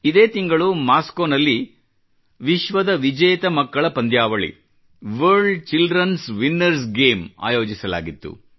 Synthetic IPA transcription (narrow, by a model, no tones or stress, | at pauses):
id̪eːt̪iŋɡɐɭumaːskoːnɐlːi | ʋiʃʋɐd̪ɐʋid͡ʒɐjɐt̪ɐmɐkːɐɭɐpɐnd̪jaːʋɐɭḭ | ʋɐɾɖt͡ʃilɖɾɐnsʋinːɐɾs̬ɡe̞ːma̰ːjoːd͡ʒisɐla̰ːɡit̪ːṵ